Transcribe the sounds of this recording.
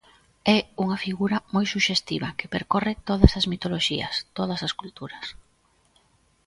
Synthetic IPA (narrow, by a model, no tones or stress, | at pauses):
ɛuŋɐfiɣuɾɐmojsuʃest̪iβɐkepeɾkorɪt̪oðɐsɐzmit̪oloʃiɐ̰st̪oðɐsɐskult̪uɾɐs